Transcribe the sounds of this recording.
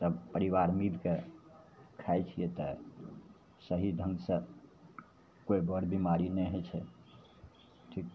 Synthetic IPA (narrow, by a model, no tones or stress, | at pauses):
d͡ʒəbpəɾiʋaɾmilke | kʰajt͡ʃʰijet̪ɔ | səɦid̪ʱə̃ŋɡsə̃ | koibəɾbʱimaɾinɛɦɛt͡ʃʰɛ | ʈʰik̚ʰ